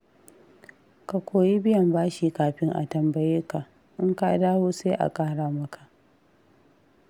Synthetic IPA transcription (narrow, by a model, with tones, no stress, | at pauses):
ka˨kʷoː˨ji˦bɪ˦jɐ˨mbaː˦ʃiː˨kaː˨ɸɪ˦ŋʔa̰˨tɐ˨mbɐ˨jɪ˦ka˨ | ʔɪ˦ŋka˦˨˦daː˦woː˦se˦ʔa̰˨kʼaː˦ɽaː˨mɐ˦kʰa˨ʔ